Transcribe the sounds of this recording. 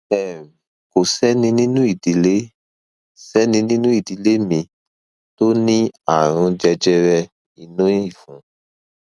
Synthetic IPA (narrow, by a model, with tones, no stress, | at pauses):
ɛ˦˨ | ko˨sɛ˦nĩ˧nĩ˦nũ˦i˦˨di˨˦le˦ | sɛ˦nĩ˧nĩ˦nũ˦i˦˨di˨˧le˦mĩ˧ | to˦nĩ˦a˨ɾ̃ũ˧d͡ʒɛ˧d͡ʒɛ˦ɾɛ˧ | i˨nũ˦i˦˨fũ˨˦